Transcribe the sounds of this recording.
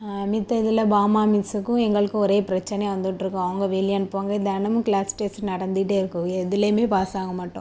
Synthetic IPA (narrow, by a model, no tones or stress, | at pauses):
mɪt̪ːɐɪðɪlɐbaːmaːmisɯkːʊ̃ɛŋɡɐɭɯkːʊ̃ɔɾeːpɪɾɐt͡ʃːɛnɛjʋɐnd̪ɯʈːɪɾɯkːʊ̃ɐʋɐŋɡɐʋeːlɪjaːnpʋaːŋɡɐɪnðɐːnɐmɯ̃klaːsʈeːsnɐɽɐnd̪ɪʈːeːɪɾɯkːʊ̃ɛðɪleːmeːpaːsaːɣɐmaːʈːʊ̰̃